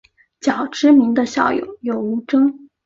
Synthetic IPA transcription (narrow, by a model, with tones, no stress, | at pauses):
t͡ɕjɑ˨˩ʊʈ͡ʂɻ̩˥mi˧˥ŋd̪ə˧ɕjɑ̰˥˩ʊjo̰˨˩˦ʊjo˨˩ʊu˧˥ʈ͡ʂɤ˥ŋ